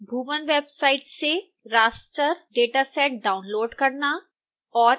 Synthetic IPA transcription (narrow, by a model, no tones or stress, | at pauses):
bʱuːʋənʋeːbsaːɪʈse | ɾaːsʈəɾɖeːʈasɛːʈ̚ɖaːʊnloːɖkɐɾna | ɔːɾ